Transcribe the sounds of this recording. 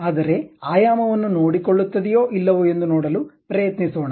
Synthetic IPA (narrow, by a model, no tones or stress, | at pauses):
aːd̪ɐɾe̞aːjaːmɐʋɐnːunoːɽikoɭːut̪ːɐd̪ɛjo̞ːʔilːɐʋue̞nd̪unoːɽɐlupɾɐjɐt̪nisoːɳɐ